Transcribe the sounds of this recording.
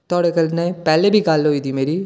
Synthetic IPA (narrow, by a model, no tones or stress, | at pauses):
t̪ɔːɽekɐlnepɛːlebʱikaːlːoːiːd̪imeːɾiː